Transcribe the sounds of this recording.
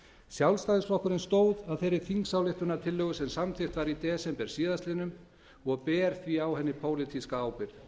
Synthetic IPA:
sjawlst̪ajðɪsflɔhkʏɾɪnst̪oːwðaðθejɾɪɾθiŋksawlɪht̪ʏnat̪ʰɪlːœːɣʏsɛmsamθʰɪht̪vaɾit̪ɛːsɛmpɛɾ̥siːðast̪lɪnʏm | ɔɣpɛːɾ̥θviawhɛnːɪpʰoːwlɪt̪ʰiskaaːwpɪɾ̥

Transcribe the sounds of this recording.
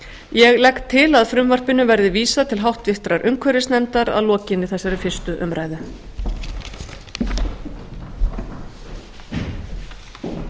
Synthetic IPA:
jɛɣlɛkt̪ʰːɪlaðfɾʏmvar̥pɪnʏvɛɾðɪviːsat̪ʰɪlɦawht̪vɪht̪ɾaɾʔʏŋkʰvœɾɪsnɛnt̪aɾa̰ðlɔːcɪnːɪθɛsːaɾɪfɪr̥st̪ʏʔʏmɾaːjðʏ

